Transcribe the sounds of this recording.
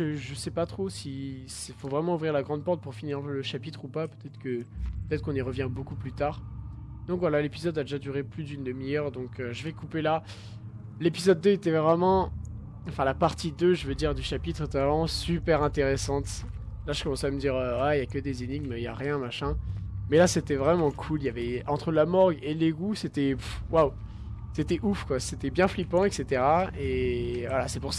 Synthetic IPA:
ʒəʒəsɛpat̪χosisɛfovʁɛmɑ̃uvʁiʁlaɡʁɑ̃d̪̚pɔʁt̪̚puʁfiniʁləʃapit̪χupapø̥t̪ɛt̪χə̥kəpøt̪ɛt̪χəkɔ̃niʁəvjɛ̃bokuplyt̪aʁd̪ɔ̃kvwalalepizɔd̪ad̪eʒad̪yʁeplyd̪ynd̪əmijœʁd̪ɔ̃køʒəvɛkupela | lepizɔd̪ːøet̪ɛvʁɛmɑ̃ | ɑ̃fɛ̃lapaʁt̪id̪øʒəvød̪iʁd̪yʃapit̪χet̪ɛvʁɛmɑ̃sypɛʁɛ̃t̪eʁesɑ̃t̪laʒəkɔmɑ̃sɛaməd̪iʁøwɛiljakʲəd̪ezeniɡmja̰ʁjɛ̃maʃɛ̃mɛlaset̪ɛvʁɛmɑ̃kʰuljavɛɑ̃t̪χəlamɔʁɡeleɡuset̪ɛwaw | set̪ɛʔufkwaset̪ɛbjɛ̃flipɑ̃ɛkset̪eʁaevwalasɛpuʁsa

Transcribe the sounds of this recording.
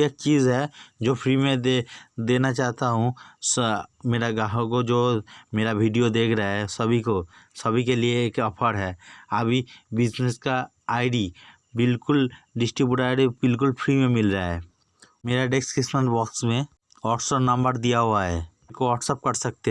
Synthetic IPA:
eːk̚t͡ʃiːzɦɛd͡ʒoːpʰɾimẽd̪eːnat͡ʃaːɦt̪aɦũsmeːɾaɡaːɦõkod͡ʒoːmeːɾabʱiːɖijod̪eːkʰɾaaɦɛsɐbʱikosɐbʱikelieːkɐpʰəɽɦɛːəbʱibɪd͡ʒneska | aːɪɖi | bɪlkʊlɖɪsʈɾibjuɽaːɖibɪlk̬ʊlpʰɾimẽmɪlɾəaɦɛː | meːɾaɖeːkskɪsmənʈbɔːksmẽ | ɔːʈsənɐ̃mbəɾd̪ijaɦuaɦɛː | koʋɔːʈsəp̚kɐɾsɐk̚t̪e

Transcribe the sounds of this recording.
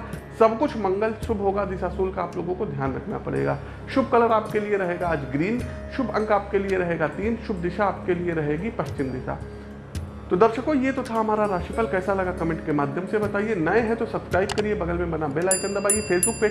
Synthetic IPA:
sɐbkʊt͡ʃʰmɐ̃ŋɡəlsʊbʱɦoːɡad̪ɪsasuːlkaaːploːɡõkod̪ʱjaːnɾɐkʰna̰pɐ̰ɽḛːɡa̰ː | ʃʊbʱkɐləɾaːpkelieɾɐɦeːɡaːd͡ʒɡɾiːn | ʃʊbʱɐ̃ŋkaːp̚kelieɾɐɦeːɡat̪iːnʃʊb̚ʱd̪ɪʃaaːp̚kelieɾɐɦeːɡipɐʃt͡ʃɪmd̪ɪsa̰ː | t̪od̪ɐɾʃəkõjet̪ot̪ʰaɦɐmaːɾaɾaːʃipəlkɛːsalɐɡakɐmɛ̃ːɳʈkemaːd̪ʱjəmsebɐt̪aːienɐẽɦɛ̃t̪osɐbskɾaːɪb̚kɐɾiebɐɡəlmẽbɐnabelaːɪkə̃ɾ̃nd̪abaːiefʰeːsbʊk̚pe

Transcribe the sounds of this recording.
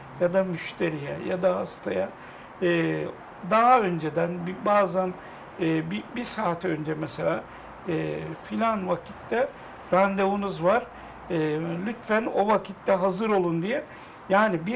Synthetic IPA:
jad̪amyʃt̪ʰe̞ɾijɛ̰jad̪aast̪ʰaja | ɯː | d̪aɦaø̞nd͡ʒed̪ænbibaːzan | ɯːbibisaːt̪ʰø̞nd͡ʒɛmɛse̞lʲaː | ɯːfilʲanvacʰi̥t̪ːɛ | ɾand̪eunuzvaɾ̥ | ɯːlʲyt̪fæno̞̰vacʰit̪ːɛɦazɯɾo̞lˠund̪ijɛ | jaːnibi

